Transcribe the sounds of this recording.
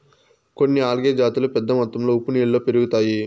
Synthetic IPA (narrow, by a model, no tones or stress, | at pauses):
ko̞nːiaːlɡeːd͡ʒaːt̪ulupɛd̪ːɐmɔt̪ːɐmlo̞ːupːunieɭːoːpeɾuɡut̪aːji